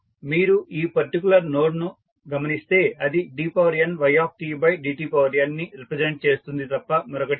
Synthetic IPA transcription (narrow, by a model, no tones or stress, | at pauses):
miːɾuiːpɐɾʈikʲulɐɾno̞ːɖnu | ɡɐmɐnist̪e̞ːɐd̪iɖiːpɐːʋɐɾijɐnʋɐjaːp̚ʈiːbɐjɖiːʈiːpɐʋɐɾijɐnːiɾipɾed͡ʒeɳʈ̚t͡ʃe̞ːst̪und̪it̪ɐpːɐmɐɾɔkɐʈi